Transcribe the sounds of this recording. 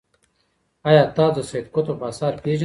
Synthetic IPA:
ajaːt̪aːd͡zoseːt̪kot̪opaːsaːɾpeːʒ

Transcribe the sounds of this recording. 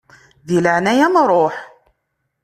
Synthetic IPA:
ðiləʕnæjæmɾˤoħ

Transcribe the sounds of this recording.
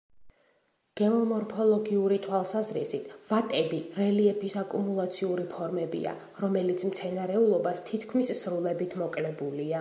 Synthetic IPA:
ɡ̥ɛɔmɔɾpʰɔlˠɔɡiuɾit̪ʰwalˠsazɾḭsit̪ʰvat̪ʼɛbiɾɛliɛpʰisakʼumulˠat̪sʰiuɾipʰɔɾmɛbḭa̰ | ɾɔmɛlit̪sʰmt̪sʰɛnaɾɛulˠɔbast̪ʰit̪ʰkʰmissɾulˠɛbit̪ʰmɔkʼlɛbulia

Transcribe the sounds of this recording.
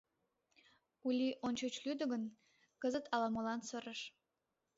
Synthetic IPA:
ulʲiʔonʲt͡ɕot͡ɕlyd̪ə̆ɣə̆n | kəzət̪ɑlɑmɑlɑnsəɾəʃ

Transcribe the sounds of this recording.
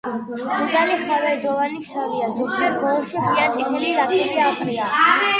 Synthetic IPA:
d̪ubaliχavɛɾd̪ɔvaniʃaviazɛsdɛɾbɔlˠʃiχiant̪ʼit̪ʰɛlilapʰiɾiakʼɾia

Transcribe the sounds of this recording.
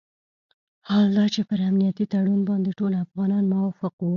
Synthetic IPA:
hɑld̪ɑt͡ʃepəɾamnijat̪it̪aɽunbɑnd̪eʈolafɣɑnɑnmʊwɑfɪqwu

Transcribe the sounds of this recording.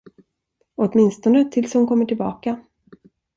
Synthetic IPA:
ɔt̪mɪnst̪ɔnət̪ʰɪlshʊnkʰɔmːəʈʰɪlbɑ̰ːka

